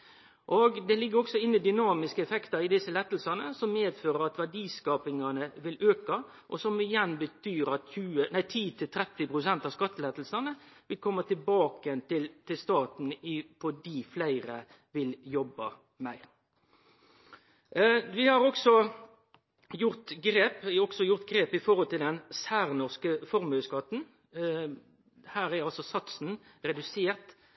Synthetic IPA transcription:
ʔoɡd̪ɛlɪɡːəɾɔksɔɪnːɪd̪ʏnɑːmɪskəɛfɛkt̪ɑɾɪd̪ɪsəlɛt̪lsɑnəsɔmmeːd̪føːɾəɾɑt̪ʋæɖiːskɑːpɪŋɑnəʋɪløːkɑ | ʔɔsɔmɪjɛnbət̪ʰyːɾɑt̪çʉːənæɪt̪ʰiːt̪ʰɪlt̪ʰɾɛt̪ːɪpɾʊsɛnt̪ɑːʋskɑt̪ːəlɛːt̪lsɑnəʋɪlkʰɔmːət̪ʰɪlbɑːkəɛnt̪ɪlt̪ʰɪlst̪ɑːt̪n̩ɪfɔdiːflæɪɾə | ʋɪljɔbːə | mæɪɾ | ʋɪhɑɾɔksɔ | jʊʁt̪ɡɾeːpɪɔksɔjʊʁt̪̚ɡɾeːpɪfɔʁhɔlt̪ɪld̪ɛnsæːɾnɔʁskəfɔɾmœskɑt̪n̩ | hæːɾæɾɑlsɔsɑt̪sn̩ɾɛd̪ʉseːɾt̪

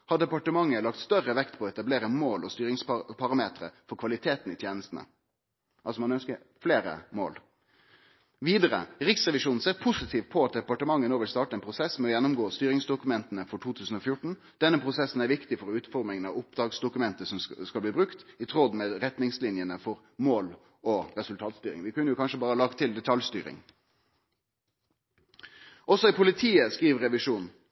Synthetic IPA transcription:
hɑɖɛpɑʈəmɑŋːəlɑkt̪st̪œʁəʋɛkt̪pʰɔɔɛt̪ɑbleːɾəmoːlɔst̪yːɾɪŋspʰɑʁɑmeːt̪ɾə̰fɔɾkʰʋɑlɪt̪ʰeːt̪n̩ɪt̪ʰjeːnəst̪n̩ə̰ | ʔɑlsɔmɑnœnskə | fleːɾə̰mo̰ːl | ʋiːd̪əɾə̰ɾɪksʁɛʋɪʂuːnn̩seːʁpʰʊsɪt̪ʰiːʋ̪pʰɔɑt̪̚d̪ɛpɑʈəmɑŋːənoːʋɪlst̪ɑːʈəɛnpʰɾʊsɛsmɛɔjɛnːʊmɡoːst̪yːɾɪŋsd̪ʊkʉmɛnt̪ənəfɔʈʰuːt̪ʰʉːsn̩ɔfjʊʈɳ̩ | d̪̥ɛnːəpʰʁʊsɛsn̩æɾʋɪkt̪ɪfɔɾʉːt̪fɔʁmɪŋənɑ̰ʋʊp̚d̪ʁɑːɡsd̪ʊkʉmɛnt̪əsɔmskɑlbliːbʁʉkt̪ɪt̪ʰʁɔd̪meːɾɛt̪nɪŋslɪnjənəfɔɾ | moːl | ɔɾɛsʉlt̪ʰɑːt̪st̪yːɾɪ̰ŋʋɪkʉnəjʊkʰɑnʂəbɑːɾəlɑkt̪ʰɪld̪ɛt̪ʰɑljst̪y̰ːɾɪ̰ŋ | ʔɔsɔɪpʰʊlɪt̪ʰiːəskʁiːʋɾɛʋɪʂuːn

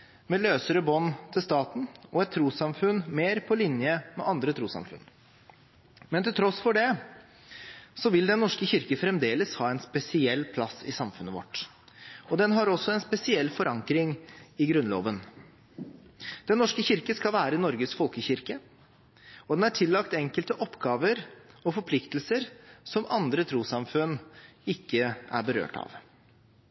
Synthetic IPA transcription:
mɛløːsəɾəbɔnːt̪ʰɪlst̪ɑːt̪n̩ɔɛt̪̚t̪ʰːɾuːsɑmfʉnmeːɾpʰɔlɪnjəmɛ̰ʔɑnd̪ɾət̪ʰɾuːsɑ̰mfʉ̰n | mɛnt̪ɪlt̪ʰɾɔsfɔɖɛ | sɔʋɪld̪ɛnːɔʂkəçɪɾkəfɾɛmd̪eːləshɑːɛnspɛsɪɛlːpʰlɑsɪsɑmfʉnəʋɔ̰ʈː | ɔd̪ɛnɦɑɾɔsɔɛnspɛsɪɛlːfɔɾʔɑŋkɾɪŋɪɡɾʉnlo̰ːʋən | d̪̥ɛnːɔʂkəçɪɾkəskɑlʋæːɾəɪnɔɾɡəsfɔlkəçɪɾkə | ɔd̪ɛnæʈʰɪlːɑkt̪ɛŋkəlt̪əʔɔpːɡɑːʋəɾɔfɔɾpʰlɪkt̪lsəɾsɔmɑnd̪ɾət̪ʰɾuːsɑmfʉnɪkːəæ̰ɾbəɾø̰ːʈɑ̰ʋ

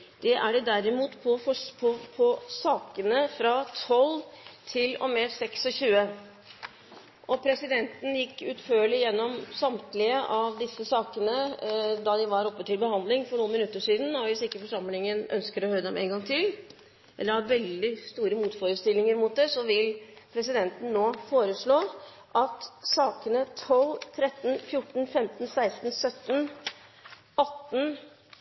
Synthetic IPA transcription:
d̪̥ɛʔæɖɛd̪æɾɪmuːt̪pʰɔfɔpʰɔpʰɔsɑːkənəfɾɑt̪ʰɔlt̪ʰɪlɔ̰mɛsɛksɔçʉːə | ʔɔpʰɾɛsɪd̪ɛnt̪n̩jɪkːʉːt̪føːɭɪjɛnːɔmsɑmt̪lɪəʔɑʋd̪ɪsːəsɑːkənəd̪ɑd̪ɪʋɑɾɔpːət̪ɪlbəhɑnd̪lɪŋfɔɳuːnmɪnʉt̪ːəʂiːd̪n̩ɑɾʋɪsɪkːəfɔʂɑmlɪŋənʔœ̰nskəɾɔhœɾəd̪ɛmʔḛːnɡɑŋt̪ʰɪl | ʔɛ̰lːəɾhɑɾʋɛld̪ɪst̪uːɾəmuːt̪foːɾəst̪ɪlːɪŋəɾmʊt̪̚d̪ɛsɔʋɪlpʰɾɛs̬ɪd̪ɛnt̪n̩ːoːfoːɾəʂɭoː | ʔɑt̪sɑːkənət̪ʰɔlt̪ʰɾɛt̪ːn̩fjʊʈːn̩fɛmt̪n̩sæɪst̪n̩sœt̪ːn | ɑt̪ːn

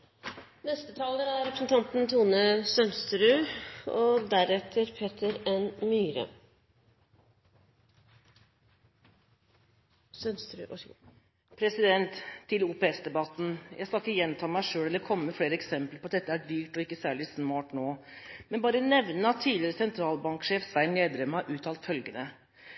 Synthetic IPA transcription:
nɛst̪ət̪ʰɑːləɾæɾɾɛpɾəsn̩t̪ʰɑnt̪n̩t̪ʰuːnəsœnst̪ɾʉːɔd̪æɾɛt̪ʰəɾpʰeːt̪ʰəɾɛnmyːɾə̰ | snst̪ɾ | pʰɾɛsɪd̪ɛnt̪ʰːɪluːpɛɛsd̪ɛbɑt̪ːn̩jʔæ̰ɪskɑɪkːəjɛnt̪ʰɑːmæɪʂøːɽɛlːəɾkʰɔmːəfɽeːɾəɛksɛmpləɾpʰɔɑt̪d̪ɛt̪ːəæɖyːʈɔɪkːəsæːɭɪsmɑːʈnoː | mɛnbɑːɾənɛʋnəɑt̪ʰːiːlɪɾəsɛnt̪ʰɾɑːlbɑŋkʂeːfsʋæɪnneːd̪ɾɛmːəhɑʔʉːt̪ʰɑːlt̪fœlɡənə

